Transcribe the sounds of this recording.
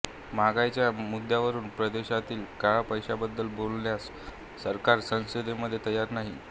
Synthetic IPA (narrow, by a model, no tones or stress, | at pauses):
maɡajt͡ɕjamud̪ːjaʋəɾuːnpɾəd̪eɕat̪iːlkaɭapəjɕabəd̪ːəlbolːjasː | əɾkaɾsə̃sed̪eməd̪ʱːjet̪əjːaɾnaɦi